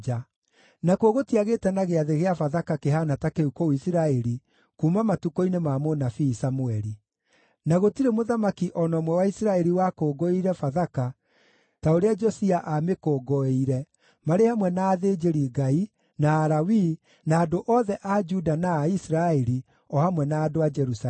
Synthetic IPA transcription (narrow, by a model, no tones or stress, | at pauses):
d͡ʒa | nakwoɣotiaɣeːtɛnaɣeaðeɣeafaðakakeɦanatakeukoisiɾaɛɾi | kumamatukoinemamonafiːsamuɛɾi | naɣotiɾemoðamakiʔɔnɔmwɛwaisiɾaɛɾiwakoːɡɔiɾɛfaðaka | taoɾead͡ʒɔsiaʔamekɔɡɔeiɾɛ | maɾehamwɛnaːðed͡ʒeɾiɡai | naːɾawi | naːdoʔɔðɛʔad͡ʒudanaːisiɾaɛɾi | ɔhamwɛnaːdoad͡ʒɛɾus